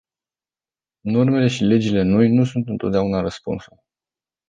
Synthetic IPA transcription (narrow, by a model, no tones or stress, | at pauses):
no̞rme̞le̞ʃile̞d͡ʒile̞no̞jnusunt̪ɨnt̪o̞t̪d̪eunaɾəspṵnsul